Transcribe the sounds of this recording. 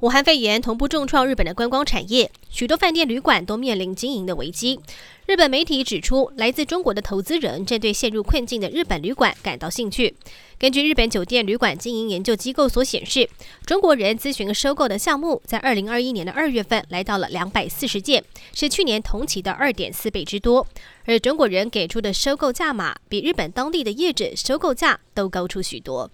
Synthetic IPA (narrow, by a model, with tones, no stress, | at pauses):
u˨˩xa˥˧nfe˥˩ɪɥɛ˧˥nt̪ʰʊ˧˥ŋp̬u˥˧ʈ͡ʂʊ˥˧ŋʈ͡ʂʰwɑ˥˧ŋɻ̩˥˩pə˨˩nd̪ə˦kwa˥nkwɑ˥ŋʈ͡ʂʰa̰˨˩njɛ˥˩ | ɕy˨˩t̪wɔ˥fa˥˧nt̪jɛ˥˩nly˧˥kwa˨˩nt̪o˥ʊmjɛ˥˩nli˧˥ŋt͡ɕi˥ŋi˧˥ŋd̪ə˧wḛ˧˥ɪt͡ɕi˥ | ɻɻ̩˥˩pə˨˩nme˧˥ɪt̪ʰi˧˥ʈ͡ʂɻ̩˨˩ʈ͡ʂʰu˥la˧˥ɪt͡sɹ̩˥˩ʈ͡ʂʊ˥ŋkwɔ˧˥d̪ə˧t̪ʰo˧˥ʊt͡sɹ̩˥ɻə̰˧˥nʈ͡ʂə˥˧nt̪we˥˧ɪɕjɛ˥˧nɻu˥˧kʰwə˥˧nt͡ɕi˥˩ŋd̪ə˩ɻ̩˥˩pə˨˩nly˧˥kwa̰˨˩˦nka˨˩nt̪ɑ˥˧ʊɕi˥˧ŋt͡ɕʰy˥˩ | kə˥nt͡ɕy˥˧ɻ̩˥˩pə˧˥nt͡ɕjo˨˩ʊt̪jɛ˥˩nly˧˥kwa˨˩nt͡ɕi˥ŋi˧˥ŋjɛ˧˥nt͡ɕjo˥˧ʊt͡ɕi˥ko˥˩ʊswɔ˧˥ɕjɛ̰˨˩nʂɻ̩˥˩ʈ͡ʂʊ˥ŋkwɔ˧˥ɻə˧˥nt͡sɹ̩˥ɕy˧˥nlə˧ʂo˥ʊko˥˩ʊd̪ə˨˩ɕjɑ˥˧ŋmu˥˩t͡sa˥˧ɪʔə˞˥˩li˧˥ŋə˞˥˩i˥njɛ˧˥nd̪ə˧ʔə˞˥˧ɥɛ˥˧fə˥˩nla˧˥ɪt̪ɑ˥˩ʊlə̰˩ljɑ˧˥ŋpa˨˩ɪsɹ̩˥˩ʂɻ̩˧˥t͡ɕjɛ˥˩nʂɻ̩˥˩t͡ɕʰy˥˩njɛ˧˥nt̪ʰʊ˧˥ŋt͡ɕʰi˧˥d̪ə̰˧ʔə˞˥˩t̪jɛ̰˨˩nsɹ̩˥˧pe˥˩ɪʈ͡ʂɻ̩˥t̪wɔ˥ə˞˧˥ʈ͡ʂʊ˥ŋkwɔ˧˥ɻə˧˥nke˨˩ɪʈ͡ʂʰu˥d̪ə˨ʂo˥ʊko˥˧ʊt͡ɕja˥˩ma̰˨˩˦pi˨˩ɻ̩˥˩pə˨˩nt̪ɑ˥ŋt̪i˥˩d̪ə˩jɛ˥˩ʈ͡ʂə̰˨˩ʂo˥ʊko˥˧ʊt͡ɕja˥˩t̪o˥ʊkɑ˥ʊʈ͡ʂʰu˥ɕy̰˨˩t̪wɔ̰˥